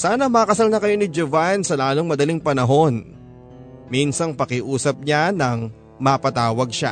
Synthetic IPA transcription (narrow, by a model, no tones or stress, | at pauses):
saːnɐmɐːkɐsalnɐkɐjo̞nɪd͡ʒovansɐlaːlo̞ŋmɐd̪ɐliŋpɐnɐɦo̞n | minsɐŋpɐkɪʔuːsɐp̚ɲanɐŋ | mɐpɐt̪aːwɐɡ̚ʃa̰